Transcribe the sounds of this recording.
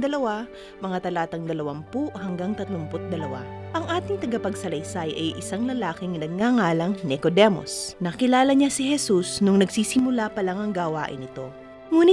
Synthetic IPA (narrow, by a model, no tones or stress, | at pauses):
d̪ɐlɐwa | mɐŋat̪ɐlaːt̪ɐŋd̪ɐlɐwampuʔhɐŋɡaŋt̪ɐt̪lʊmpʊt̪̚d̪ɐlɐwa̰ʔɐŋʔaːt̪ɪŋt̪ɐɡɐpɐɡsɐlɐjsajʔɐjʔɪsaŋlɐlaːkɪŋnɐɡ̚ŋaŋaːlɐŋnɛkod̪ɛmo̞̰snɐkɪlaːlɐɲasɪhɛsusnʊŋnɐɡsiːsɪmʊlapɐlaŋɐŋɡawaːʔɪ̰nɪt̪o̞ | ŋuːnɪ